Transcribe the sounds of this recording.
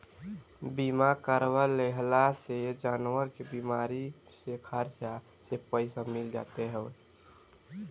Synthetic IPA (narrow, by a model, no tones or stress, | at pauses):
bimakəɾwəleɦlased͡ʒanwəɾkebimaɾi | sekʰaɾt͡ʃa | sepəɪsamild͡ʒa̰t̪eɦɛʊ